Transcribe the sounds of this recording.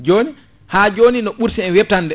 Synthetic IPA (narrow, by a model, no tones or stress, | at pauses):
d͡ʒoːni | had͡ʒoːninɔɓuɾsiɛnwɛp̚tandɛ